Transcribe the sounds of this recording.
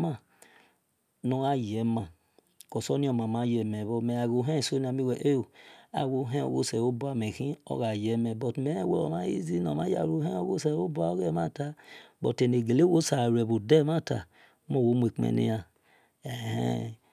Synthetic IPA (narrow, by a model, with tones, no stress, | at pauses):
ma˦˨ | nɔ˨ɣa˦jɛ˨˦ma˨ | kɔ˨sɔ˦nĩ˦ɔ˨ma˨ma˨˦jɛ˨mɛ˨βɔ˧mɛ˨a˨ɣo˧˦ɦɛ˦˨so˦ni˦a˧mi˦wɛ˨ʔe˦˨a̰˨wo˧˦ɦɛ̃˦o̰˨ɣo˦sɛ˨wo˦bu˦a˨mɛ˨ɣĩ˦ɔ̰˦ɣa˨jɛ˨˦mɛ˨bɔ˨tmɛ˨˦wɛ˦ɔ̰˨ma˦jḭ˦zi˦nɔ̰˨ma˦ja̰˨ɾo˦hɛ˦o˦ɣo˦sɛ˨wo˦ba˨o˦ɣɛ˦˨ma˦˨ta˨bɔ̰˨te˨ne˨ɡe˨le˦wo˦sa˨ɾɛ˨bo˨dɛ˦ma˦˨ta̰˨˦ | mo˦˨wo˨˦mu˨e˨k͡pḛ˨nḭ˧ja˨ | ɛ˨hɛ̰˦